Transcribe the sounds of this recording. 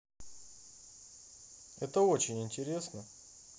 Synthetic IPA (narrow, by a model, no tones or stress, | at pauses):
ɛt̪əot͡ɕɪnʲɪnʲtʲɪɾʲe̞snə